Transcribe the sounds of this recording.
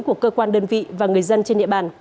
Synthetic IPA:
ŋku˧˩əkəː˧kwaː˧nɗəː˧nvḭ˧˨vaː˨˩ŋɨ˨˩əjzə˧nt͡ɕe˧nɗḭ˧˨əɓaː˨˩n

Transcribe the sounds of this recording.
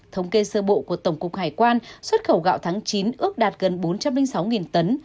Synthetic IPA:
t̪ʰə˨˦wŋ͡mke˧səː˧ɓo̰˧˨ku˧˩ət̪ə˧˩wŋ͡mkʊ˨˩k̚haː˧˩jkwaː˧nswə˦˥t̚xə˧˩wɣa̰ː˧˨wt̪ʰaː˨˦ŋt͡ɕi˨˦nʔɨ˦˥ək̚ɗaː˨˩t̚ɣə˨˩nɓo˨˦nt͡ɕa˧mlï˧ŋ̟sa˨˦wŋi˨˩nt̪ə˨˦n

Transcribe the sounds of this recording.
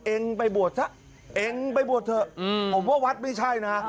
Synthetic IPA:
ʔe˧ŋpa˧jbu˨˩ət̪̚sa˦˥˩ʔ | ʔeː˧ŋpa˧jbu˨˩ət̪̚ʰɤ˧pʰo˨˩˦mkaː˥˩wa˦˥t̪̚ma˦˥˩jt͡ɕʰa˥˩jna˦˥

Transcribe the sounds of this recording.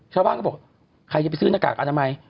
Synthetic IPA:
t͡ɕʰaː˥˩baː˥˩nkɔ˥˩ɔː˨˩k̚ | kʰa˧jt͡ɕpsɯː˥˩na˧ka̰ː˨˩k̚ʔa˧na˧ma˧j

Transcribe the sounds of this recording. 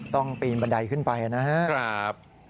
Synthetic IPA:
t̪ɔ˥˩ŋpiː˧nba˧nda˧jkʰɯ˥˩npa˧jʔa˨na˦˥ha˦˥ʔkʰɾa˦p̚

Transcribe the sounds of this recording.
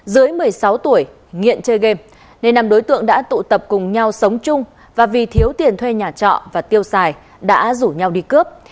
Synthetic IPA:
zɨ˨˦əjmɨ˨˩əjsa˨˦wt̪u˧˩əj | ŋḭ˧˨ənt͡ɕəː˧jɣe˧m | ne˧nːa˨˩mɗo˨˦jt̪ɨ̰˧˨əŋɗa̰ː˧˥t̪ṵ˧˨t̪ə˨˩p̚kʊ˨˩ŋ͡mɲa˧wsə˨˦wŋ͡mt͡ɕʊ˧ŋ͡m | vaː˨˩vi˨˩t̪ʰi˨˦əwt̪i˨˩ənt̪ʰwe˧ɲaː˨˩t͡ɕɔ̰˧˨vaː˨˩t̪i˧əwsaː˨˩j | ɗa̰ː˧˥zu˧˩ɲa˧wɗi˧kə˦˥p̚

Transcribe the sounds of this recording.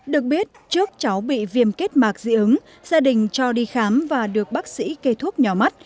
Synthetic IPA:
ɗɨ˨˩ək̚ɓi˦˥ət̚t͡ɕɨ˦˥ək̚t͡ɕa˨˦wɓḭ˧˨vi˧əmke˦˥t̚maː˨˩k̚zḭ˧˥ʔɨ˨˦ŋ | z̥aː˧ɗï˨˩ŋ̟t͡ɕɔ˧ɗi˧xaː˨˦mvaː˨˩ɗɨ˨˩ək̚ɓaː˦˥k̚sḭ˧˥ke˧t̪ʰu˦˥ət̚ɲɔ˨˩ma˦˥t̚

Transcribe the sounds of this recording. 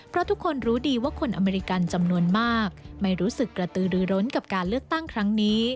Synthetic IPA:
pʰɾɔ˦˥t̪ʰu˦˥kʰːo˧nɾuː˦˥diː˧waː˥˩kʰo˧nʔa̰˧meː˧ɾi˧˥ka˧nt͡ɕa˧mnu˧ənmaː˥˩k̚ma˥˩jɾuː˦˥sɯ˨˩kːɾa˧t̪ɯː˧ɾɯː˧ɾo˦˥nka˨˩p̚kaː˧nlɯ˥˩ək̚t̪a˥˩ŋkʰɾa˦˥ŋniː˦˥

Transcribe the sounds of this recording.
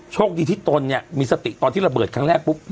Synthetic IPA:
t͡ɕʰoː˥˩k̚diː˧t̪ʰiː˦˥˩t̪o˧nːi˥˩ɐmiː˧sa˧t̪i˨˩t̪ɔː˧nt̪ʰiː˥˩a˧bɤː˨˩t̪̚kʰa˥ŋɾɛː˥˩k̚pu˦˥p̚

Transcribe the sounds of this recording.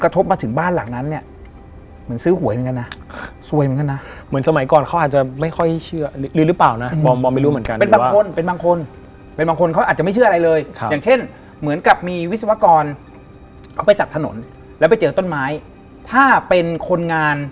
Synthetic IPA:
kɾa˧t̪ʰo˦˥p̚maː˧t̪ʰɯ˩˦ŋbaː˥˩nla̰ː˨˩ŋna˦˥nːi˥˩ɐ | mɯ˩˦nsɯː˦˥ɦu˨˩˦jka˧nːa˦˥su˧əjm˨˩˦ka˧nːa˦˥ʔmɯ˩˦nsa˧ma˨˦jkɔː˨˩nkʰa˦˥wʔaː˨˩t̪̚t͡ɕa˨˩ma˥˩jxʰɔ˥˩jt͡ɕʰɯ˥˩ɐ˧lɯː˧ɾɯ˦˥plaː˨˩wna˦˥bɔː˧bɔː˧ma˥˩jɾuː˦˥mɯ˩˦nka˧npe˧nbaː˧˦aːŋ˥ko˧npe˧nbaː˧ŋkʰo˧n | pe˧nbaː˧ŋkʰo˧nkʰa˦˥wʔa˨˩t̪̚t͡ɕma˥˩t͡ɕʰɯ˥˩ɐ˧ɾa˧jlɤː˧jʰaː˨˩ŋt͡ɕʰe˥˩n | mɯ˩˦ənka˨˩p̚miː˧wi˦˥t̪̚sa˧wa˦˥kɔː˧n | kʰa˥˩pa˧jt͡ɕ̪a˨˩t̪ʰno̰˩˦n | lɛ˦˥wpa˧jt͡ɕɤː˧t̪o˥˩nmaː˦˥j | t̪ʰaː˥˩pe˧nkʰo˧nŋaː˧n

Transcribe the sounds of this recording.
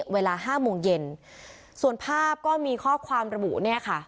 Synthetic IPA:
weː˧laː˧ɦaː˥˩moː˧ŋje˧n | su˨˩ənpʰaː˥˩p̚kɔː˥˩miː˧kʰɔː˥˩kʰwaː˧mɾa˧bṵ˨˩ʔniː˥˩ɐkʰa˥˩

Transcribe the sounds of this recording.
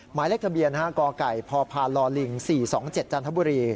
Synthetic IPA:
maː˩˦jle˦˥k̚t̪ʰa˧bi˧ənhaː˥˩kɔː˧ka˨˩jpʰɔː˧pʰaː˧nlɔː˧li˧˩ŋsiː˨˩sɔː˩˦ŋt͡ɕe˨˩t̪̚t͡ɕaː˧nt̪ʰa˦˥buː˧ɾiː˧

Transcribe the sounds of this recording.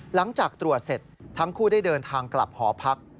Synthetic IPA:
la˩˦ŋt͡ɕaː˨˩k̚t̪ɾu˨˩ət̪̚se˨˩t̪̚ʰːa˦˥ŋkʰuː˥˩daː˥˩jdɤː˧nt̪ʰaː˧ŋkla˨˩p̚hɔː˩˦pʰa˦˥k̚

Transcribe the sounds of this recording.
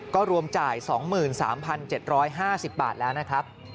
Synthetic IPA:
kɔː˥˩ɾu˧əmt͡ɕaː˨˩jsɔː˩˦ŋmɯː˨˩nsa̰ː˩˦mpʰa˧nt͡ɕe˨˩t̪̚ɾɔː˦˥jɦaː˥˩si˨˩p̚ba̰ː˨˩t̪̚lɛː˦˥wna˦˥kʰɾa˦˥p̚

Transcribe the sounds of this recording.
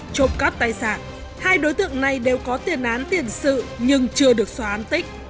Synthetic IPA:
t͡ɕo̰˧˩ŋ͡mka˦˥p̚t̪aː˧˩jsa̰ː˧˩n | haː˧jɗo˨˦jt̪ɨ̰˧˨əŋna˨˩jɗe˨˩wkɔ˨˦t̪i˨˩ənʔaː˨˦nt̪i˨˧˩ənsɨ̰˧˨ɲɨ˧ŋt͡ɕɨ˧əɗɨ˨˩ək̚swaː˧˦ʔaː˨˦nt̪ï˦˥k̟̚

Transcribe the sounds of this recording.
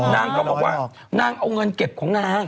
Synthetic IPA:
naː˧ŋkɔː˧˦kɔ˨˩waː˨˩ | naː˧ŋʔə˧wŋ͡mŋə˧nki˨˩p̚ku˧˩ŋaː˧ŋ

